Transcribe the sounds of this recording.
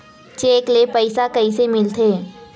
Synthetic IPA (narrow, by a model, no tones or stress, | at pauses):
t͡ʃeːklepəɪsakɐisemɪlt̪ʰeː